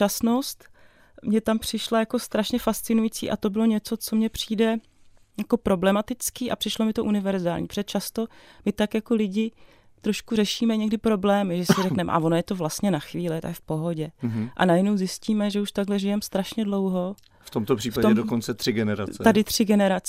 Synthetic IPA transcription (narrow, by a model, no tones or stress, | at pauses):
asno̞st̪ | mɲɛt̪ampr̥ɪʃlajako̞st̪ɾaʃɲɛfast̪t͡sɪnujit͡sḭːʔa̰t̪o̞bɪlo̞ɲɛt͡so̞t͡so̞mɲɛpr̝̥iːdɛ | jako̞pɾo̞blɛmat̪ɪt͡skiːʔa̰pr̥ɪʃlomɪt̪o̞ʔunɪvɛɾzaːlɲiːpo̥r̥ɛt͡ʃast̪o̞mɪt̪akjakolɪɟɪ | t̪ɾo̞ʃkurɛʃiːmɛɲɛɡdɪpɾo̞blɛːmɪʒɛsɪrɛknɛmʔa̰vo̞nojɛt̪o̞vlast̪ɲɛnaxviːlɪt̪a̰fpo̞ɦo̞ɟɛʔa̰najɛnowzɪsciːmɛʒɛuʃt̪aɡlɛʒɪjɛmst̪ɾaʃɲɛdlo̞wɦo̞ | ft̪omt̪opr̥iːfat̪oɛmdokont͡sɛt̪r̥ɪɡɛnɛɾa̰ɛadɪt̪r̝̥ɪɡɛnɛɾat͡s